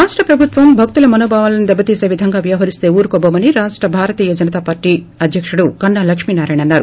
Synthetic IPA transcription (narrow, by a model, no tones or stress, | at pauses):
ɾaːʂʈɾɐpɾɐbʱut̪ʋɐmbʱɐk̚t̪ulɐmɐnoːbʱaːʋɐlɐnid̪ɛbːɐt̪iːse̞ːʋid̪ʱɐŋɡaːʋjɐʋɦɐɾist̪e̞ːuːɾukɔbɐmɐniɾaːʂʈɾɐbʱaːɾɐt̪iːjɐd͡ʒɐnɐt̪aːpaːɾʈi | ɐd̪ʱjɐkʂuɽukɐɳːaːlɐkʂmiːnaːɾaːjɳɐnːaːɾu